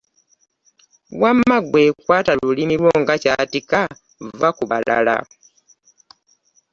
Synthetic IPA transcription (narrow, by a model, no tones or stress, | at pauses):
wamːaɡwe̞ːkwaːtalulimilwo̞ːŋɡacaːtika | vakuβalʔa̰la̰